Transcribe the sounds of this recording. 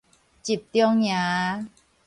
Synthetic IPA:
t͡ɕi˨˩p̚t̪jŋjã˨˧˦

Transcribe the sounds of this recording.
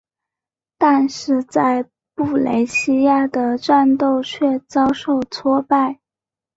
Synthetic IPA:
t̪a˥˧nʂɻ̩˥˧t͡sa˥˧ɪ | pu˥˩lḛ˧˥ɪɕi˥ja˥˩d̪ə˩ʈ͡ʂa˥˧nt̪o˥˧ʊt͡ɕʰɥɛ˥˩t͡sɑ˥ʊʂo˥˩ʊt͡sʰwɔ˥pa˥˩ɪ

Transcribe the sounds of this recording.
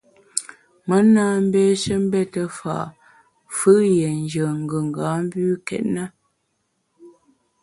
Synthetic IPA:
mə˨˦naː˦m̩˦bɛ˦ʃə˦m̩˦bɛ˦tə˨fa̰˨ʔ | fɨ˦jɛ˨n˨d͡ʒə˨ŋ̩˨ɡə˨ŋ̩˨ɡa˨˦m̩˦bʉː˦kɛ̰˨t̚na˦

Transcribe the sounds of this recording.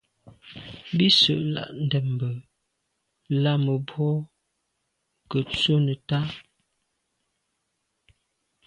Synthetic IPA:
bi˦sə̰˨ʔla̰˨ʔn̩˨dɛ˨m˨bə˨ | la˦mə˨bɔ˦ | kə˨t͡so˦nə˨ta˦

